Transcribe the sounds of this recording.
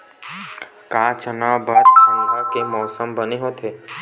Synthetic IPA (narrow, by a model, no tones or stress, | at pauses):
kaːt͡ʃənabəɾə̃nɾakemɔːsəmbəneɦot̪ʰeː